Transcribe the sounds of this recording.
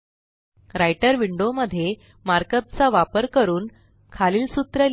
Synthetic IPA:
ɾajʈəɾʋiɳɖoməd̪ʱːje | maɾkət̪̚t͡saʋapəɾkəɾuːn | kʰaliːlsut̪ɾə

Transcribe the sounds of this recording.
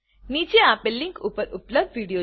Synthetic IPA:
nid͡ʒeapelːĩŋkupəɾʊpləb̚d̪ʋiɽijo

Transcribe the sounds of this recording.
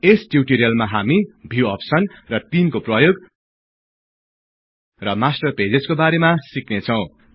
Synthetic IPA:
esʈjiwʈiɾijʌlmaɦamibʱiwʌpsʌnrʌt̪inkoprʌjoɡ | rʌmasʈʌrped͡zeskobaɾemasiknet͡sʰʌw̃

